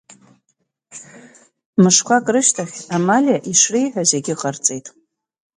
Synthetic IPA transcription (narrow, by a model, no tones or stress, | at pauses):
mɨʂkʷʰakʼrɨʃtʰaχʲamalʲaʔiʂrijħʷᶣazeɡʲɪqʼərt͡sʼejtʼ